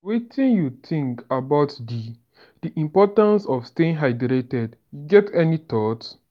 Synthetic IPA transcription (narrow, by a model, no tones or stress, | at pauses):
wetʰĩnjut̪ʰĩŋkabaʊtdi | d̥iʔĩmpɔtãnsɔfsteĩŋɦaɪdɾetɛdjuɡɛtʰɛnit̪ɔt